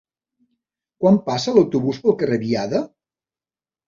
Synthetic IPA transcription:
kwampasələwt̪uβuspəlˠkərəβiaðə

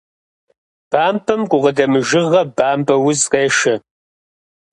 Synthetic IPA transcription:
b̥aːmpʰɐmkʷʼʊʁɐdɐmɨʒɪʁɐbaːmpʼɐwʊzqeːʃɐ

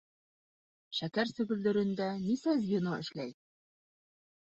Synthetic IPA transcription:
ʃækæɾsɵ̆ɡɵ̆ld̪ɵ̆ɾɘ̆nd̪ænisæzjɤ̆nɤʔɘ̰̆ʃlæj

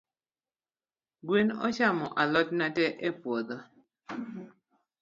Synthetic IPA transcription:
ɡwinɔ̰t͡ʃamɔʔalɔtnatɛʔepwod̪ɔ

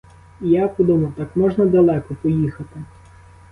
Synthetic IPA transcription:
jakʊd̪umʊt̪ɑkmɔʒnɐd̪ɐlˠɛkɔpɔjixɐt̪ɪ

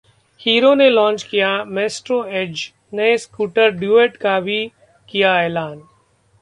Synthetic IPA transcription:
hiːɾoːnẽlɔ̃ːnt͡ʃkɪjameːsʈɾoed͡ʒ | nɛ̃skuːʈəɾɖjuːeːʈkaːbʱi | kɪjaeːlaːn

